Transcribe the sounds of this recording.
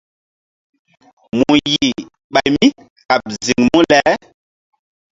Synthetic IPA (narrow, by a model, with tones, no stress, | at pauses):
muu˨ji˨ | ɓa˨jmi˦ | ka˨p̚zi˨ŋmũ˦lɛ˦